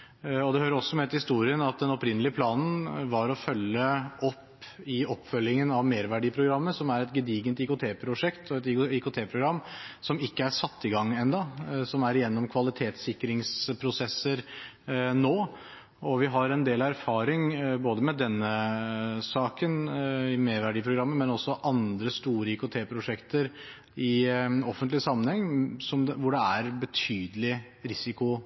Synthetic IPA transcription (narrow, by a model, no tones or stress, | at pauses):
ɔd̪ɛhøːɾəɾɔsːɔmɛt̪hɪst̪uːɾɪənɑt̪̚d̪ɛnɔpɾɪnəlɪəpʰlɑːnn̩ʋɑɾɔfœlːəɔpː | ɪɔpːfœlːɪŋənɑʋmeːɾʋæɖiːpʰɾʊɡɾɑmːəsɔmæɾɛt̪ɡəd̪iːɡənt̪ɪkʊt̪ʰeːpʰɾʊʂɛkt̪ʰɔɛt̪ɪkʊt̪ʰeːpʰɾʊɡɾɑmːsɔmɪkːəæɾʂɑt̪ːɪɡɑŋːɛnd̪ɑsɔmæɾɪjɛnːɔmkʰʋɑlɪt̪ʰeːt̪sɪkːɾɪŋspʰɾʊsɛsːəɾ | noː | ɔʋɪɦɑɾɛnd̪eːlæɾfɑːɾɪŋboːd̪əmɛd̪ɛnːə | sɑːkənɪmeːɾʋæɖiːpʰɾʊɡɾɑmːənmɛnɔsːɔʔɑnd̪ɾəst̪uːɾəikʊt̪ʰeːpʰɾʊʂɛkt̪əɾ | ɪɔfːənt̪lɪsɑmːənhɛŋːsɔmʋʊɖɛæɾbət̪ʰyːd̪əlɪ | ɾɪsɪkʊ